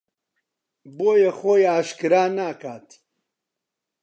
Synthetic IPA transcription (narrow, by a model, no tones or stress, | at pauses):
boːjexojaːʃkɨɾaːnaːkʰaːt̪ʰ